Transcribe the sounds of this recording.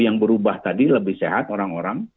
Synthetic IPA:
jaŋbəɾubaht̪adiləbɪhseɦat̪oɾaŋoɾaŋ

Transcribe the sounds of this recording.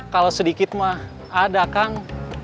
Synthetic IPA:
kalosədikɪt̪̚mah | adakaŋ

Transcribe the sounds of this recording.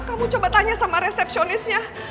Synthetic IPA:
kamut͡ʃobat̪ːaɲasamaɾesɛp̚sionɪsɲa

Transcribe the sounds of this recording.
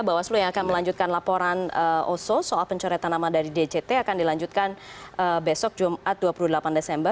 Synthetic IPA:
bawaslujaŋakanməlaɲd͡ʒut̪̚kanlapoɾanəʔososoʔalpəɲt͡ʃɔɾɛt̪anamadaɾided͡ʒet̪eakandilaɲd͡ʒut̪̚kanəbesɔk̚d͡ʒumʔat̪̚duapuludəlapandesɛmbər

